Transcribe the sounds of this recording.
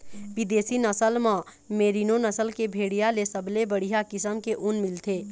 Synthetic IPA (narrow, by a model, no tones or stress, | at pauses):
bɪd̪eːsinəsəlmã | meːɾinonəsəlkebʱeːɽijalesəblebəɽ̤iɦakɪsəmkeʔʊnmɪlt̪ʰeː